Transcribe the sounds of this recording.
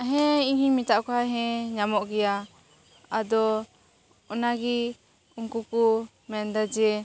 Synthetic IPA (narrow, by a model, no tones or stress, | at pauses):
aɦɛ̃iɲhiɲmit̪aʔkɔɦaɦɛ̃ɲamɔʔɡɛja | ad̪ɔː | naɡi | uŋkuku | mɛnd̪ad͡ʒɛ